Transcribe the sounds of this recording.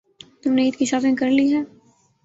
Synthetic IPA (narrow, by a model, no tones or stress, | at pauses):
t̪ʊmneiːt̪kiʃaːd̪ẽkɐɾliɦɛː